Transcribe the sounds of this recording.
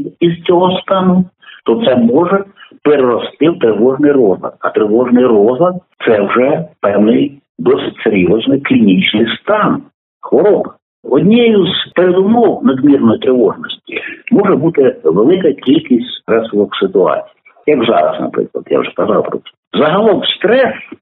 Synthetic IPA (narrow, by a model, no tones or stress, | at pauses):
iz̥t͡sʲɔɦɔst̪ɑnʊ | t̪ɔt̪sɛmɔʒɛpeɾeɾɔst̪ɪwt̪ɾɪʋɔʒnɪjɾɔzɐ̰t̪ɐt̪ɾɪʋɔʒnɪjrɔzɐt̪t̪sɛwʒɛpɛwnɪj | d̪ɔsɪtʲseɾʲjɔznɪjklʲinʲit͡ʃnɪjst̪ɑn | xʋɔɾɔbɐ | ɔdʲnʲɛjʊzpeɾed̪ʊmɔwnɐd̪mʲirnɔjit̪ɾɪʋɔʒnɔsʲtʲimɔʒɛbut̪ɪʋelˠɪkɐkʲilʲkʲisʲtʲsɾɛsɪlˠɔksɪt̪ʊɑ̰t͡sʲi̥j | jɐkzɑ̰ɾɐ̰snɐ̰pɾɪ̰klˠɐ̰d̪ja̰wʐɛkɐzɑwpɾɔ̰t͡s̪ɛ | zɐɦɐlˠɔmst̪ɾɛs